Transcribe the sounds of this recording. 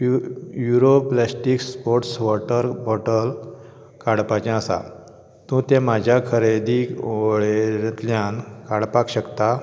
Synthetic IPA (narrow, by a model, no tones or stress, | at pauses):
juɾoplasʈikspoɾʈsʋɔʈəɾbɔʈəl | kaɽpat͡ɕãəsa̰ | t̪ũːt̪emad͡ʑʱjakʰəɾed̪ioɭet̪ljãnkaɽpakɕəkt̪a